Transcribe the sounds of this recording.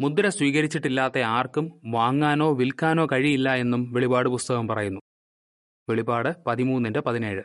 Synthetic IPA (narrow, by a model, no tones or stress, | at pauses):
mud̪ɐɾɐswiːɣɐɾit͡ɕːiʈːilːaːt̪ːe̞aːrkumʋaːŋːaːno̞ːʋilkːaːno̞ːkɐɻijilːɐe̞nːumʋeɭibaːɽɨpust̪ɐɣɐmpɐrɐjunːu | ʋeɭibaːɽɨpɐðimuːnːindepɐðine̞ːɻɨ